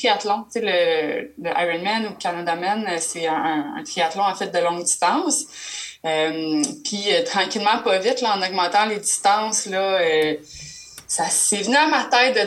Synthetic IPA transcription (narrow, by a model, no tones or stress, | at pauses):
iat̪lɔ̃t͡selələʔa̰jʁɛnmɛnukʲanad̪amɛnøsɛə̃ə̰̃ːt̪χiat̪lɔ̃afɛt̪̚d̪əlɔ̃ŋd̪ist̪ɑ̃s | ømpʰiøt̪χɑ̃kʲilmɑ̃pʌvɪt̪lɔɑ̃nɔɡmɑ̃t̪ɑ̃led͡z̪ist̪ɑ̃slʌø | sasevnyamat̪ɛɪt̪̚